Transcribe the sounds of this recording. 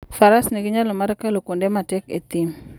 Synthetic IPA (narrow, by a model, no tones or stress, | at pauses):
faɾasniɡiɲalomaɾkalokondɛmatɛkḛt̪im